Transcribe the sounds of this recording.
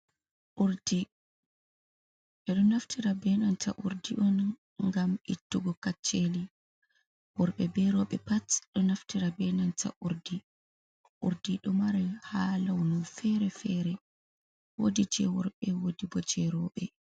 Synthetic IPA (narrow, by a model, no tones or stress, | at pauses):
ʔuɾdi | ʔɛɗɔnaftʰiɾabɛnanta̰ʔuɾdiʔɔn | ŋɡamitːuɡɔkat͡ʃːeli | wɔɾɓɛbɛɾɔɓɛpatɗɔnaftiɾabɛnanta̰ʔuɾdi | ʔuɾdiɗɔmaɾɛhalawnunfɛɾɛfɛɾɛ | wodid͡ʒɛ̰wɔɾɓɛwodibɔd͡ʒɛɾɔɓɛ